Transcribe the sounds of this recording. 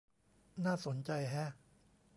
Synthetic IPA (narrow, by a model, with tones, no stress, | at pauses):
naː˥˩so˩˦nt͡ɕa˧jɦɛ˦˥